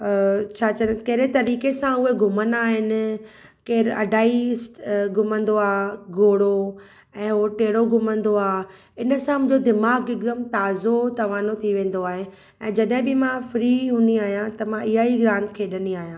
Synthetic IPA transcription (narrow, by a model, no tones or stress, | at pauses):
t͡ɕʰaːt͡ɕɐnkɐɦɾet̪ɐɾiːkesãʊɦeɡʱʊmənaːɦɪnɪ̆ | keːɾɐ̰ɖʱaːisʈɡʱʊmə̃nd̪oaːɡoːɽo | ɛ̃ːoʈeːɽoɡʱʊmə̃nd̪oaː | ɪnəsãmʊ̃ɦd͡ʑod̪ɪmaːɡɪɡəmt̪aːzot̪ɐʋaːnot̪ʰiʋẽːn̆d̪oaːɦe | ɛ̃ːd͡ʑɐɗɦɪ̃bɪmãfɾiːɦũnd̪iaːɦijãt̪ɐmãɪɦaːiɡɾãːnt̪kʰeːɗəniaːɦijãː